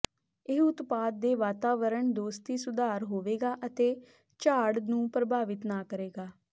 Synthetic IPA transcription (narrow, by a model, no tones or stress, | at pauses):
ɪɦʊt̪paːd̪̚ːeːʋaːt̪aːʋəɾəɳd̪oːst̪iːsʊd̪aːɾɦoːʋeːɡaːʔət̪eː | t͡ʃaːɽnũːpɾəbaːʋɪt̪naːkəɾeːɡaː